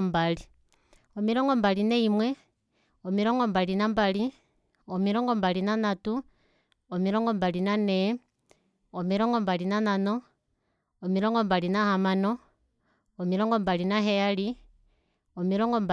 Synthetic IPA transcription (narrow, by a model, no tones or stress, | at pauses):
mbali | omiɾoŋɡombalineimwe | omiɾoŋɡombalinambali | omiɾoŋɡombalinanatu | omiɾoŋɡombalinane | omiɾoŋɡombalinanano | omiɾoŋɡombalinahamanoː | miɾoŋɡombalinaɦeali | omiɾoŋɡomb